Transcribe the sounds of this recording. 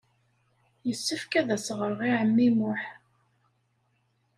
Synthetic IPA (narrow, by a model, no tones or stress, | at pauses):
jəsːəfkæðæsʁəɾʁiʕəmːimʊħ